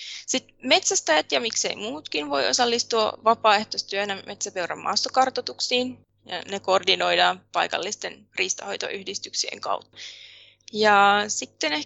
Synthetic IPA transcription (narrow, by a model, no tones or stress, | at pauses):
sit̪me̞t̪sæst̪ɑjɑt̪jɑmikse̞̰imuːt̪kinʋo̞̰io̞̰sɑlːist̪uɑ̰ʋɑpɑːe̞ht̪ost̪yønæmet̪sæpeuɾæ̰mːʔɑ̰ːst̪okɑrt̪ot̪uksiːn | jɑ̰nekordino̞jdɑːpɑjkɑ̰lːist̪en | riːst̪ɑho̞̰jt̪o̰ʔyhdist̪yksiḛŋkɑ̰wt̪ːɑ | jɑsit̪ːene